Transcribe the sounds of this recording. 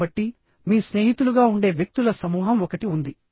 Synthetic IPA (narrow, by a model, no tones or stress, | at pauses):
ɐʈːi | miːsne̞ːɦit̪uluɡaːuɳɖe̞ːʋjɐk̚t̪ulɐsɐmuːɦɐmɔkɐʈiund̪i